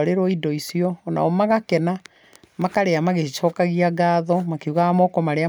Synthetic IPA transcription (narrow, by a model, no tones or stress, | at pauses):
ɾeɾɔidɔisiɔːna̰ɔmaɣakɛna | makaɾeamaɣet͡ʃɔkaɣiaɡaːðɔmakeuɣaamɔkɔmaɾea